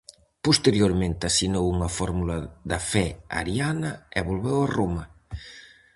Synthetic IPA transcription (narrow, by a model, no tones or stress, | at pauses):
post̪eɾjoɾmẽnt̪ɪasinowuŋɐfɔɾmulɐðɐfɛa̰ɾjanɐɛβolβɛwaromɐ